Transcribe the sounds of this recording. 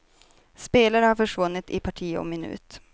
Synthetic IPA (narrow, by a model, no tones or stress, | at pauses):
speːlaɾəhaɾfœʂvɵnːɪt̪ɪpʰaʈʰiːɔ̰mɪnʉ̟̰ːt̪